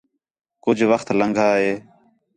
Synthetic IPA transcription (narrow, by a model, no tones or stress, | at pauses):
kʊd͡ʒʱʋəxt̪ləŋɡʱaːɦeː